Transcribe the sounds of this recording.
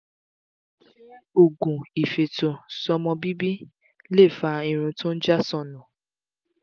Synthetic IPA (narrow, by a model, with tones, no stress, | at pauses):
o˨ɡũ˨i˨fe˨to˨sɔ˧mɔ̃˧bi˦bi˦ | le˦˨fa˧i˧ɾ̃ũ˧tõ˦n̩˦d͡ʒa˦sɔ̃˧nũ˨